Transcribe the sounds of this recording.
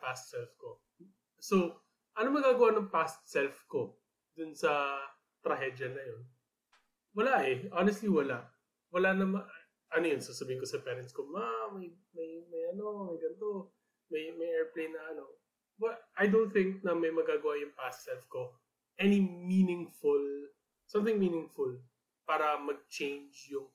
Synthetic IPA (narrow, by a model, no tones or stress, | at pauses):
past̪sɛlfko | sow | ʔɐnomɐɡaːɡɐwanɐŋpast̪̚sɛlfko̞ | d̪ʊnsɐ | t̪ɾɐɦɛd̪jɐnɐjon | wɐlaʔɛʔonɛst̪liwɐlaʔ | wɐlanɐmɐ | ʔɐnojonsosɐbiːhɪnŋk̬osɐpɛːɾɐnt̪skomamɐj | mɐjmɐjʔɐno̞mɐjɡɐnt̪o̞ | mɐjmɐjʔɛɹplejnːɐʔɐno̞ | bɐt̪̚ʔɐjd̪ownt̪̚θɪ̃ŋk̚nɐmɐjmɐɡaːɡɐwaʔjʊŋpasɛfko̞ | ʔɛniminɪŋfʊl | sɐ̃mt̪ɪŋminɪŋfʊl | paːɾɐmɐɡ̚t͡ʃẽjnd͡ʒjʊŋ